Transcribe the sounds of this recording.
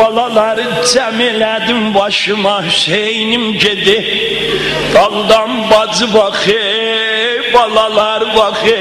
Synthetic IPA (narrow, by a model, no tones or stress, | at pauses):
ɑlˠɑlˠɑɾɯ | d͡ʒæmelæd̪imbɑʃɯmɑʃejnimɟed̪i | d̪̥ɑlˠd̪ɑnbɑzɯbɑχe | bɑlˠɑlˠɑɾbɑxe